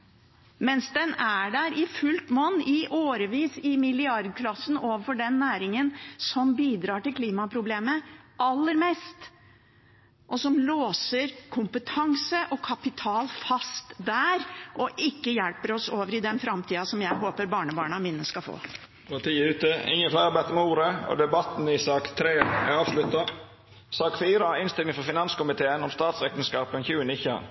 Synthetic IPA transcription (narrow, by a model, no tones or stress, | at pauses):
mɛnsd̪ɛnæɖæɾɪfʉlt̪mɔnːɪʔoːɾəʋiːsɪmɪlɪɑɾd̪̚kʰlɑsn̩ʔoːʋəɾfɔɖɛnːæːɾɪŋənsɔmbiːd̪ɾɑːʈɪlkʰliːmɑpʰɾʊbleːməʔɑlːəɾmɛst̪ | ʔɔsɔmloːsəɾkʰʊmpət̪ʰɑŋsəʔɔkʰɑpɪt̪ʰɑːlfɑst̪d̪æɾʔɔʔɪkːəjɛlpəɾɔsoːʋəɾɪd̪ɛnfɾɑmt̪ʰiːɑsɔmjæɪɦoːpəɾbɑːɳəbɑːɳɑmɪnːəskɑfo̰ː | pɑt̪ʰiːəʉːt̪əɪ̰ŋːənflæɪɑbɛt̪əɾmɛuːɾəɔ̰d̪ɛbɑt̪n̩ɪsɑːkt̪ʰɾeːæ̰ɑːʋʂlʉt̪ːɑ | sɑːkfiːɾəɪnst̪ɪlnɪŋfɔɾfɪnɑnskʊmɪt̪ʰeːənɔmst̪ɑːt̪sɾɛkt̪ənskɑːpnçʉːənɪçɑ̰